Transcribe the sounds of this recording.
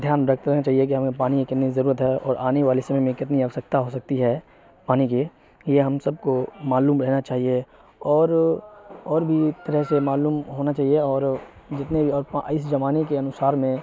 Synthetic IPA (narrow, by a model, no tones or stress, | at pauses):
d̪ʱjaːnɾɐkʰt̪ɾɐknat͡ʃaːɦiek̬iɦɐmepaːnikkɪt̪nizɐɾuːɾət̪ɦɛɔːɾaːneʋaːlisɐmɛmẽkɪt̪niɐʋsək̚t̪aɦosɐk̚t̪iɦɛ | paːnike | jeɦɐmsɐb̚komaːluːmɾɛɦnat͡ʃaːɦie | ɔːɾ | ɔːɾbʱit̪ɐɾəɦsemaːluːmɦoːnat͡ʃaːɦieɔːɾ | d͡ʒɪt̪nebʱiɔːɾpaɪs̬d͡ʒɐmaːnekeɐnʊsaːɾmẽ